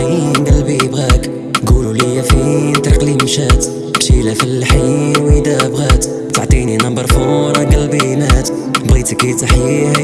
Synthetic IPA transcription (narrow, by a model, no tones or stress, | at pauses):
inɡəlbibɣæk | ɡululijæfint̪ɑɾqlimʃæt̪ | bʃilæfilħiwəd̪æbɣæt̪ | t̪aʕt̪ˤininɑmbəɾˤfoɾˤɑɡælbinæt̪ | bɣit̪əkit̪aħjih